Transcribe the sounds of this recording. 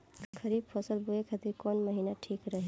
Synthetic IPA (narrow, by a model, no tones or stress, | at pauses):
kʰəɾibpʰəsəlbuekʰat̪iɾkɔːnməɦiːnaʈʰiːkɾəɦe